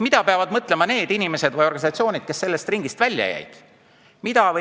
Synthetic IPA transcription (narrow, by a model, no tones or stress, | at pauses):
mid̪ɑpeɑvɑd̪mɤt̪ːˑle̞mɑne̞ːd̪̥inʲime̞se̞d̪̥vɤjo̞rɡ̥ɑnʲisɑt̪sio̞ːnʲid̪̥̚ke̞sːe̞lːe̞st̪riŋɡ̥ist̪vælʲjɑ̰jæ̰jd̪̥ | mid̪ɑvɤ